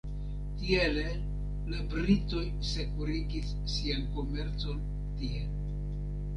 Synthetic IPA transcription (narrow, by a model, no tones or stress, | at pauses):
tiele | labɾito̞j | se̞kuɾiɡisːianko̞me̞ɾt͡so̞n | tiel